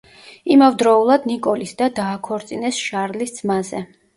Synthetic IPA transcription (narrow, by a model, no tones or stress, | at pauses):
imavd̪ɾɔulˠad̪nikʼɔlisd̪ad̪aːkʰɔɾt̪sʼinɛsʃaɾlisd̪zmazɛ